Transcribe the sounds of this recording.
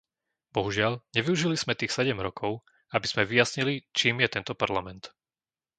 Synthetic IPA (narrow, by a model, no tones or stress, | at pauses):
bɔɦuʒɪaʎɲɛʋiuʒiliz̥mɛt̪iːxsɛɟɛmɾɔkʰɔʊ | abiz̥mɛʋijasɲilit͡ʃiːmjɛt̪ɛnt̪ɔpaɾlamɛnt̪